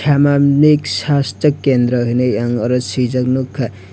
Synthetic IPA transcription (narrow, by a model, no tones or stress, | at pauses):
amaniksasʈʌkːend̪ɾʌɦineaŋʌɾʌsid͡ʒʌknukʰːa